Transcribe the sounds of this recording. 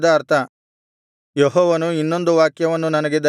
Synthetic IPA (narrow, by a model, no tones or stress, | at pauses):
d̪ɐːɾt̪ʰɐ | jɔɦɔːʋɐnuinːo̞nd̪uʋaːkjɐʋɐnːunɐnɐɡe̞d̪ɐ